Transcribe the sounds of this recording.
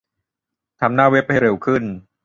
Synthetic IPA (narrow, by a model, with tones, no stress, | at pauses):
t̪ʰa˧mnaː˥˩we˦˥˩p̚ha˥˩jɾe˨˩wkʰɯ˥˩n